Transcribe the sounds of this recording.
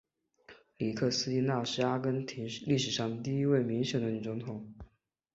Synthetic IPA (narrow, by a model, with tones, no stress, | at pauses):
li˨˩kʰɤ˥˩sɹ̩˥i˥na˥˩ʂɻ̩˥˩a˥kə˥nt̪ʰi˧˥li˥˩ʂɻ̩˨˩ʂɑ˥˩ŋd̪ə˩t̪i˥˩i˧˥we˥˩ɪmi˧˥ŋɕjɛ˨˩ŋd̪ə˦˩ny˨˩t͡sʊ˧˥ŋt̪ʰʊ˨˩˦ŋ